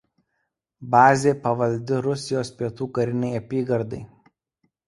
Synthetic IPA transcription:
bɑːzʲeːpɐʋɐlʲd̪ʲɪɾʊsʲɪjoːspʲiɛt̪uːkɐɾʲɪnʲɛɪɐpʲiːɡɐɾd̪ɐɪ

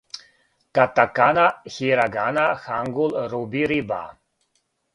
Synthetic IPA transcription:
kat̪akanaxiɾaɡanaxaŋɡulɾubiɾiba̰

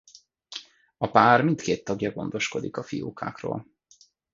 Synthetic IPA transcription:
ɒpaːrmint̪keːt̪ːɒɡjɒɡo̞̰nd̪o̞ʃko̞d̪ikɒfijoːkʰa̰ːkro̰ːl

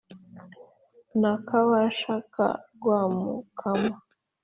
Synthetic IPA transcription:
nakawaʃaka̰ɡwamṵkʰama

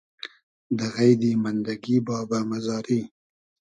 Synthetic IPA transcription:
d̪əɣajd̪imand̪aɡibɑbamazɑːɾi

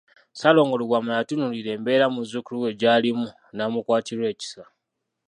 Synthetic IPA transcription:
salo̞ːŋɡoluɡwamajatunuliɾe̞ːmbe̞ːɾamuzukuluwe̞ɟaːlimu | namukwaːtiɾwe̞ːci̥sa

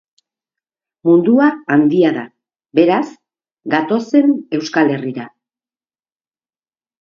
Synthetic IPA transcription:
mund̪uaːnd̪iaða | be̞ɾas | ɡat̪o̞se̞ne̞wskale̞riɾa

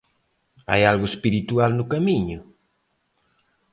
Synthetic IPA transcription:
a̰jalɣʊespiɾit̪ualnʊkamiɲʊ

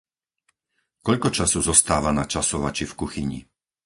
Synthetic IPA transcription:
kɔʎkɔt͡ʃasɔzɔst̪aːʋanat͡ʃasɔʋat͡ʃifkuxiɲḭ

